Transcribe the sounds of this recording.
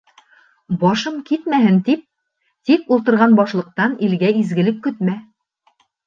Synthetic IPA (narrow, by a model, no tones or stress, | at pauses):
bɒʃɤmkit̪mæɦɘnt̪ip̚ | t̪ikulˠt̪ɤ̆ɾʁɑnbɑʃlˠɤ̆q̚t̪ɑnilɡæizɡɘ̆lɘp̚kɵ̆t̪mæ